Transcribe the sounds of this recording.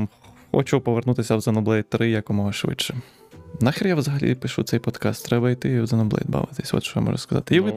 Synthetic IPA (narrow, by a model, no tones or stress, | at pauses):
m | ɔ̰t͡ʃɔpɔʋernut̪ɪsʲɐwzɐnɔblˠɛjt̪ɾɪjɐkɔmɔɦɐʃʋɪ̰t͡ʃːɛ | nɑxʲiɾʲjaʋwzɐɦɐlʲḭpɪʃut̪ɛjpɔd̪kɑst̪ːɾɛbɐijt̪ɪiwzɐnɔblˠɛ̰jd̪bɑ̰ʋɪt̪ɪsʲɔ̰t̪ʃt͡ʃɔja̰mɔ̰ʒʊskɐzɑ̰t̪ɪiʋɪ